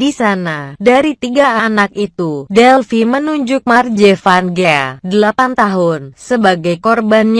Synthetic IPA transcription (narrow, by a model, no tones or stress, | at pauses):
disanadaɾit̪iɡaaːnak̚it̪udɛlfimənuɲd͡ʒʊk̚mard͡ʒefanɡɛa̰dəlapant̪aɦʊnsəbaɡajkɔrbanɲ